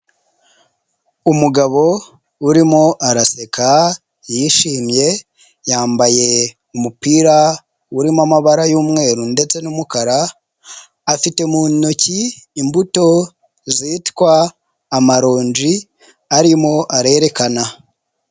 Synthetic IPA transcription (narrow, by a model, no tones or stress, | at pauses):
umuɡaβo̞ | uɾimo̞ʔaɾase̞ka | jiʃiːmje̞ | jaːmbaje̞ | umupiːɾa | wuɾimamaβaɾajuːmŋe̞ːɾunde̞t͡se̞numukaɾaː | fite̞muːnociːmbuto̞ | ziːtkwaː | maɾo̞ːnd͡ʒi | aɾimo̞ʔaɾe̞ɾe̞kana